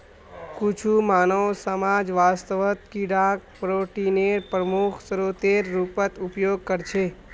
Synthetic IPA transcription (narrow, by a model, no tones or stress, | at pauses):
kut͡ʃʰumaːnəwsəmaːd͡ʒʋaːst̪əʋət̪̚kiɖaːk̚pɾoːʈiːneːɾpɾəmukʰsəɾoːt̪eːɾːupət̪ʊpjoːɡ̚kəɾt͡ʃʰeː